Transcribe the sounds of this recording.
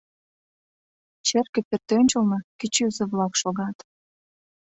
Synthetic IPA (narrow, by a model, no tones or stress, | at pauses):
t͡ɕerkĕpert̪ønʲt͡ɕə̆lnɤkit͡ɕyzĕβlɑkʃoɣɑt̪